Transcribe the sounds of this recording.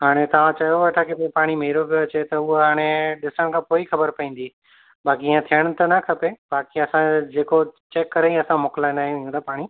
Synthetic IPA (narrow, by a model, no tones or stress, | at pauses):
ɦaːɽ̃et̪ɐʋãt͡ɕɐjoʋɐʈʰakipːpaːɽ̃imeɪɾopijoɐt͡ɕet̪ɐʊɦoɦaːɽ̃eɗɪsəɽ̃kʰãːpoːixɐbəɾpɐĩːn̆d̪i | baːkiiãt̪ʰijəɽ̃̆t̪ɐnɐkʰɐpebaːkiɐsãd͡ʑeːkot͡ɕeːkːɐɾeiɐsãmʊkɪlãɪ̃nd̪aːɦĩũd̪apaːɽ̃i